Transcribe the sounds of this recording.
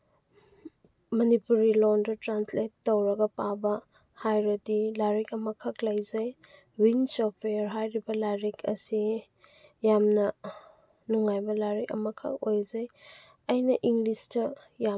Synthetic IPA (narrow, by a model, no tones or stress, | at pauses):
mɐnipuɾilɔndɐtɾansletːowɾɐɡɐpabɐ | hajɾɐdilaɾikɐmɐkʰaklɐjzɐj | winsopʰejɐɾɦajɾibɐlaɾikʰɐ̰si | jamnɐ | nuŋajbɐlaɾikɐ̰mɐkʰɐ̰k̚ojzɐj | ɐjnɐʔiŋɡlistɐ | ja